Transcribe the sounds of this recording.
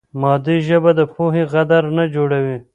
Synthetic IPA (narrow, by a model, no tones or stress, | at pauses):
mɑːd̪iʒəbad̪əpʰoɦeɣad̪aɾnad͡ʒoɽawi